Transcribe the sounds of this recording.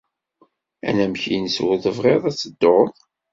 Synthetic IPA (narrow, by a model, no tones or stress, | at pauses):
æ̰næmçinəswəðəvʁeðˤæt͡sːəd̪ːoðˤ